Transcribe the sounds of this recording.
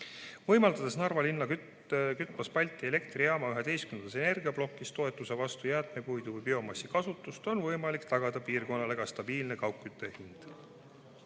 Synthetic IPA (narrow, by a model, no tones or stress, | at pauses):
vɤ̞jmɑld̪ɑd̪̥e̞snɑrvɑlinːɑky | kyt̪ːˑmɑspɑlʲt̪ːˑie̞le̞kt̪riɑmɑyɦe̞d̪̥e̞jskymen̥sene̞rɡiɑblo̞kˑːist̪o̞e̞t̪ːˑuse̞vɑst̪ujæːt̪ˑme̞kujd̪uvɨjbio̞mɑsːikɑsut̪ːˑust̪o̞nvɤjmɑlikt̪ɑɡ̥ɑd̪̥ɑpiːrko̞nːɑle̞ɡ̥ɑst̪ɑb̥iːlne̞kɑwkːyt̪ːˑe̞hind̪̥